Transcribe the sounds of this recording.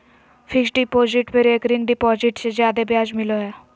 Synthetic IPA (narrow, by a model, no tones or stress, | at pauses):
pʰɪksɖɪpɔːzɪʈpəɾeːkɾɪ̃ŋɡɖɪpɔːzɪʈsezjaːd̪ebjaːd͡ʒmɪloɦɛː